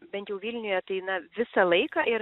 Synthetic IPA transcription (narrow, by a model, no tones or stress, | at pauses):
bʲɛnt̪jɛʊʋʲilʲnʲʊjɛt̪ɐɪnɐʋʲɪsɐlˠɐɪkɑːɪɾ